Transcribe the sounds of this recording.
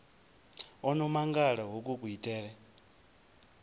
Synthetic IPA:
ɔnɔmaŋɡaɺaɦokʼukʼuitʼɛːɺɛ

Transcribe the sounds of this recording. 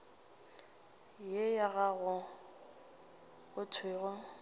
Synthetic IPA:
jejaɣaɣʊ | ɣʊtʰweːɣʊ

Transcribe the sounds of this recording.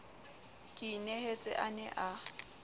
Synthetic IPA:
kʼɪnehet͡sʼɪ̰ʔanɛʔa

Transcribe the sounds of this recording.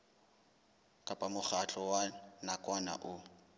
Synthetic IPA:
kʼapʼamʊχʰat͡ɬʼɔwanakʼwana̰ʔʊ

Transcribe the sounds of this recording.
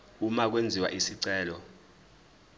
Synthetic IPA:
umak̬wend͡zʱiwa̰ʔisiǀɛːlɔ

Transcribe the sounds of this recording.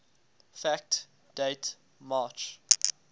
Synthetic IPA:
fæk̚t | d̥eɪt | mɑːt͡ʃ

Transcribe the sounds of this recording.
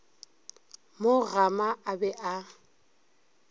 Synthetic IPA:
mʊɣamaabɛʔa

